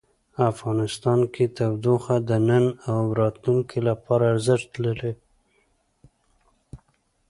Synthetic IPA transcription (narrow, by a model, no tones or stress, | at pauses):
afɣɑnɪst̪ɑnkʰet̪awd̪oxad̪ənənawɾɑt̪luŋkʰelapɑɾaːɾzɪʂt̪ləle